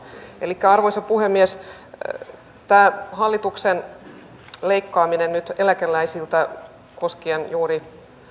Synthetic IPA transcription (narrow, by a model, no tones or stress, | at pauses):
elikːæɑrʋoisɑpuhemːies | t̪æːhɑlːit̪uksen | le̞ikːɑːminennyt̪elækelːˑæisilt̪æ | koskienjuːɾi